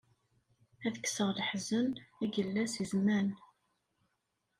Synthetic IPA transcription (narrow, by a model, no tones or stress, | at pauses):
æðəkːsəʁlħzənæɡəlːæsizmæn